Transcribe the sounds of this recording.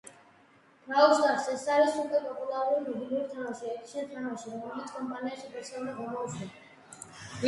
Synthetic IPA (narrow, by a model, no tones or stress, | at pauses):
d̪̥ɾausd̪aɾsɛsaɾisukʼwɛpʼɔpʼulˠaɾuɾimid̪iliuɾt̪ʰanaʃiɛɾt̪ʰiant̪ʰanaʃiɾɔmɛlɛlit̪sʰkʼɔmpʼaniaʃibɔsʰɛnaɡamɔusʰnɛna | i